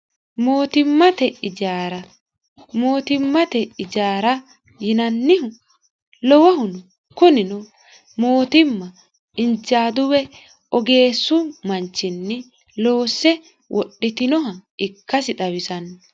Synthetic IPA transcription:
moːt̪ɪmːɐt̪ɛɪd͡ʒaːɾɐ | moːt̪ɪmːɐt̪ɛɪd͡ʒaːɾɐ | jɪnɐnːɪhʊ | lɔwɐhʊnɔ | kʊnɪnɔ | mo̞ːt̪ɪmːɐ | ɪnd͡ʒaːd̪ʊwɛ | ɔɡe̞ːsːʊmɐnt͡ʃːɪnːɪ | lo̞ːsːɛ | wʔɔ̰ɗːɪt̪ɪnɔɦɐɪkːɐsɪt̪ɐwɪsɐn

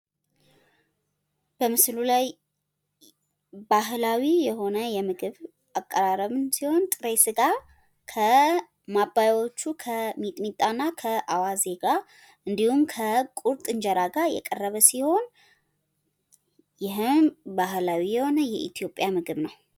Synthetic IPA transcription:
b̥əmɨslulaj | baɦlawijɛɦo̞nəjɛmɨɡɨβ | ʔakʼːəɾaɾəβɨnsiho̞nt̪ʼɨɾejsɨɡa | kʰə | mabajo̞t͡ʃːukʰəmit̪ʼmit̪ʼanːakʰəʔawaze̞ɡa | ʔɨnd̪ihumkʰəkʼuɾt̪ʼɨɲd͡ʒɛɾaɡajɛ̰kʼərːəβəsiho̞n | jɪɦɨnbaɦlawijɛho̞nəjɛʔḭt̪ʰjo̞pʼːjamɨɡɨβnəw

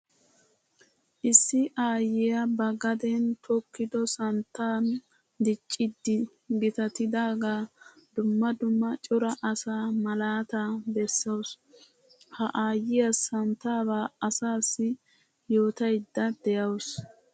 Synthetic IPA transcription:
ʔɪsːɪʔaːjɪjɐbɐɡɐd̪ɛnt̪ʰɔkːɪd̪ɔsɐnt̪ːaːn | d̪ɪt͡ʃʼːɪd̪ːɪ | ɡɪt̪ɐt̪ɪd̪aːɡaː | d̪ʊmːɐd̪ʊmːɐt͡ʃʼɔɾɐʔɐsaːmɐlaːt̪aːbɛsːɐws | hɐʔaːjɪjɐsɐnt̪aːbaːɐsaːsːɪ | jo̞ːt̪ɐjd̪ːɐd̪ɛjɐws

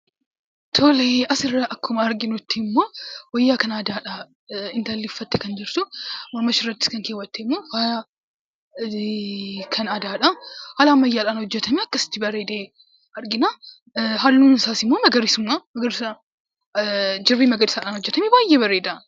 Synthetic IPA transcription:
t̪ʰoːleʔɐsɪrːɐʔɐkːʊmɐɐɾɡɪnɔt̪ːɪmːo̞ːwɔjːaːkɐnaːd̪aːᶑa | ɪnt̪ɐlːɪfːɐt̪ːɛkɐnd͡ʒɪɾt̪ʊmɔɾmɐʃɪrːɐt̪ːɪ̥kɐŋkeːwɐt̪ːemːoːhal | kʰɐnɐd̪aːᶑahaːlamːɐjːaːᶑaːnhɔd͡ʒːɛt̪ɐmiɐkːɐsɪ̥t̪ːɪbɐɾeːd̪eː | ɐɾɡɪna | ɦɐlːuːnsaːsɪmːoːmɐɡɐɾɪsʊmːamɐɡɐɾɪsa | d͡ʒɪrːiːmɐɡɐɾɪsɐᶑaːnhɔd͡ʒːɛt̪ɐmebaːjːeːbɐɾeːd̪a

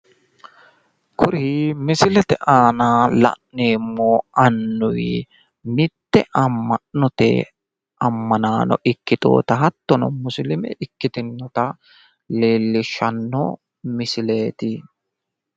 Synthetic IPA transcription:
kʰʊɾimɪsɪlɛt̪ɛʔaːnaːlɐ̰ʔneːmːɔɐnːʊj | mɪt̪ːɛʔɐmːɐnɔt̪ɛ̰ | ɐmːɐnaːnɔ̰ʔɪkːɪt̪ʼo̰ːt̪ɐɦɐt̪ːɔnɔmʊslɪmɛ̰ʔɪkːɪt̪ɪnːɔt̪ɐ | leːlːɪʃɐnːɔ̰ | mɪsɪle̞ːt̪ɪ

